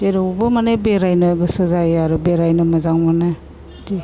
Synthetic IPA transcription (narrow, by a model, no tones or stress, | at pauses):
eɾobɐmanebeɾajnɐɡɯsɯzajaɾubeɾajnɐmɐzaŋmana | di